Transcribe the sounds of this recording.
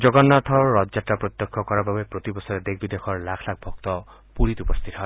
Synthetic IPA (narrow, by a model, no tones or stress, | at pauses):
d͡ʒoɡɔnːat̪ʰɔɾɔd͡ʒd͡ʒaʈːapɾɔt̪jɔkʰːɔkɔɾababepɾot̪ibɔsɔɾed̪ekʰbid̪ekʰɔɾlakʰlakʰbʱɔk̚t̪ɔ | puɾit̪upɔst̪ʰit̪ɔɦɔɪ